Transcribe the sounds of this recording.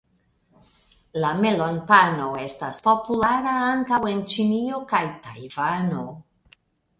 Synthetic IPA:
lame̞lo̞npano̞e̞staspo̞pulaɾaaŋkawe̞nt͡ʃinio̞kajta̰jvano̞

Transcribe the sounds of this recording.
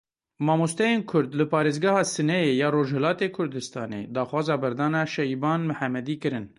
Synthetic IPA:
mɑːmost̪ɛjeːnkʰʊɾd̪lɨpʰɑːɾeːzɡɑhɑːsɨnɛjeːjɑːɾoːʒhɛlɑːt̪eːkʰʊɾd̪ɨst̪ɑːnḛːd̪ɑːxwɑːzɑːbɛɾd̪ɑːnɑːʃɛjbɑːnmɨħæmːɛd̪iːkɨɾɨn

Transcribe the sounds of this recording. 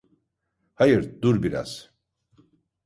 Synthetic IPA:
hajɯɾd̪uɾbiɾa̰z̥

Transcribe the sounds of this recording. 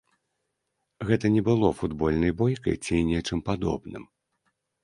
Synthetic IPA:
ɣɛt̪ɐnʲɛbɨlˠɔfud̪bɔlʲnɐjbɔjkɐ̰jt͡sʲinʲɛt͡ʂɨmpad̪ɔ̰bnɨ̰m

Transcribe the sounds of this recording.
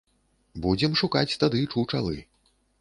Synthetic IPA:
bud͡zʲɛmʂukat͡sʲt̪ad̪ɨt͡ʂuwt͡ʂa̰lˠɨ̰

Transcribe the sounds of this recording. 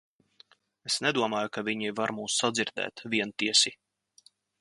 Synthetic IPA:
esnɛd̪uɔmaːjukaviɲivaɾmuːsːad̪ziɾd̪ɛ̰ːt̪vʲiɛnt̪iɛsi

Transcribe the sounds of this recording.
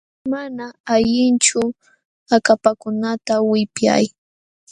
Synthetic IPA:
manaaʎɪnt͡ʃʊ | akapakʊnat̪awɪpja̰j

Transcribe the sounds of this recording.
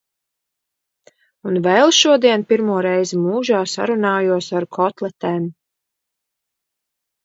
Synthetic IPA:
unvɛlˠʃuɔd̪iɛnpiɾmuɔɾɛjzmuːʒaːsa̰ɾunaːjuɔsaɾkʰɔt̪lˠɛt̪ɛːm

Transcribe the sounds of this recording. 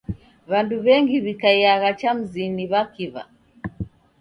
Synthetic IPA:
βanduβɛŋɡiβikaijaɣat͡ʃam̩ziniβakiβa̰

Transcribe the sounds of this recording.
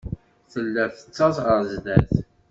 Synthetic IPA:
θəlːæθə̥t͡sːɑsʁəɾzd̪æθ

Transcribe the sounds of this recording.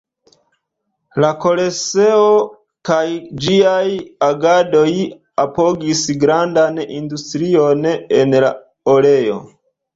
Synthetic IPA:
lako̞le̞se̞o̞ | kajd͡ʒiajaɡado̞j | apo̞ɡisɡɾandanindustɾio̞ne̞nla̰ | ole̞jo̞̰

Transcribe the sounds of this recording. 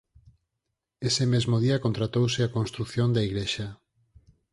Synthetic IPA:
esemezmoðiɐkont̪ɾat̪owsɪakonst̪ɾukθjond̪aiɣleʃa

